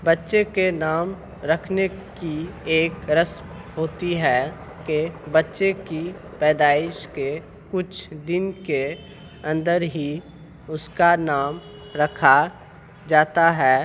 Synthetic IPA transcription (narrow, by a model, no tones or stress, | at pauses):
bɐtːʃekenaːm | ɾɐkʰnekieːkɾəsm | hoːt̪iɦɛ | kebɐtːʃeki | pɛːd̪aːɪʃke | kʊt͡ʃʰd̪ɪnke | ɐ̃nd̪əɾɦi | ʊskanaːm | ɾɐkʰa | d͡ʒaːt̪aɦɛː